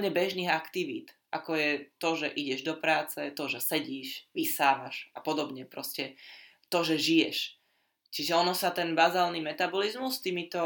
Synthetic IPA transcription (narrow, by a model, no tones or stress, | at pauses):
ɲɛbɛʒniːɣakt̪iʋḭːt̪ | ʔakɔjɛt̪ɔʒɛʔiɟɛʒd̪ɔpɾaːt͡sɛt̪ɔʒɛsɛɟiːʃʋisaːmaʒapɔd̪ɔbɲɛpɾɔscɛ | t̪ɔʒɛʒijɛʃ | t͡ʃiʒɛɔnɔsat̪ɛnbazaːlnimɛt̪abɔlizmust̪iːmit̪ɔ